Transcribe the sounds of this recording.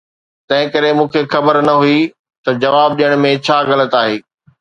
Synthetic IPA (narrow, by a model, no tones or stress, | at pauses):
t̪ɐ̃ɦɪ̃kɐɾemũːkʰexɐbəɾnɐɦui | t̪ɐd͡ʑɐʋaːb̚ɗijəɽ̃mẽt͡ɕʰaːɣɐlət̪aːɦeː